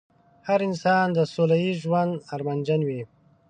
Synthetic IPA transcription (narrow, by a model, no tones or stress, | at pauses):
haɾɪnsɑːnd̪əsolaiʒwand̪aɾmand͡ʒanwi